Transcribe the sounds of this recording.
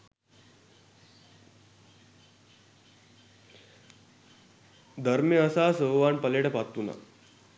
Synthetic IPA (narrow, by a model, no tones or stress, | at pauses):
d̪ʱəɾmeəsasəʋaɳpəleɽepat̪ːuna̰